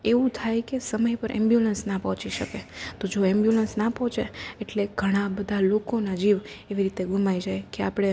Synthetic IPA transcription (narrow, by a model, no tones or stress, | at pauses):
eʋũt̪ʰajkesəməjpəɾʔɛ̰̃mbjulənsnapɔɦɔ̃t͡ʃiʃəket̪od͡ʒoɛmbjulənsnapɔɦɔ̃t͡ʃeeʈleɡʱəɽ̃abəd̪ʱalokonad͡ʒiʋeʋiɾit̪eɡʱumaid͡ʒajkeapɽ̃e